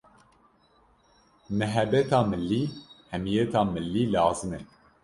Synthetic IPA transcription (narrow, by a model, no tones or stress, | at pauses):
mɛɦɛbɛt̪ɑːmɨlːiːhɛmijɛt̪ʰɑːmɨlːiːlɑːzɨmɛ